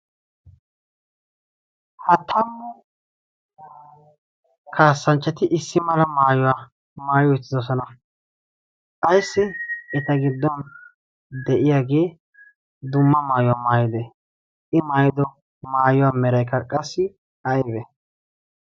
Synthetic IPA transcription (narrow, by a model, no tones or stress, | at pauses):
hɐt̪ʰːɐmːɔ | kʰaːsːɐnt͡ʃːɐt̪ɪʔɪsːɪmɐlɐmaːjɔwaː | maːjɔɪt͡sːɪd̪ɔsɔnɐ | kʼɐjsːɪɛt̪ɐɡɪd̪ːɔn | d̪ɛʔɪjaːɡe̞ː | d̪ʊmːɐmaːjɔwamaːjɪd̪ɛ | ʔɪmaːjd̪ɔ | maːjɔwaːmɛɾɐjkːɐkʼɐsːɪ | ɐjbɛ